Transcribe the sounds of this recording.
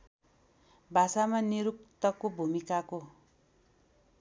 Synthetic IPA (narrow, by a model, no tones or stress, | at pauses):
bʱasamaniɾuk̚t̪ʌkobʱumikako